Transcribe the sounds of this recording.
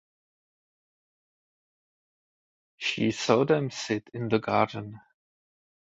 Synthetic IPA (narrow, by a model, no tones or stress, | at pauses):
ʃisodɛ̃msɪtʰɪ̃nðəɡɑɹdən̩